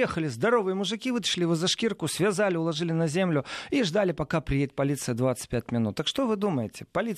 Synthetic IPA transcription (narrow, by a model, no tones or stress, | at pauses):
jexəlʲɪzd̪ɐɾo̞vɨjəmʊʐɨkʲivɨt̪ə̥ʂlʲɪvɨzɐʂkʲirkʊsvʲɪzalʲɪʊlˠɐʐɨlʲɪnɐzʲemlʲʊiʐd̪alʲɪpɐkapɾʲɪjet̚ʲpɐlʲit̪sɨjəd̪vat̪sɨ̥t̚ʲpʲæt̚ʲmʲɪnṵt̪ːəkʂt̪ovɨd̪uməjɪtʲɪpɐlʲi